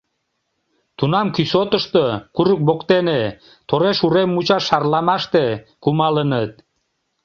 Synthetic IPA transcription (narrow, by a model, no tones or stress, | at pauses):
t̪unɑmkysot̪əʃt̪okuɾək̚bokt̪ene | t̪oɾeʃuɾemːut͡ɕɑʃːɑrlɑmɑʃt̪e | kumɑlənət̪̚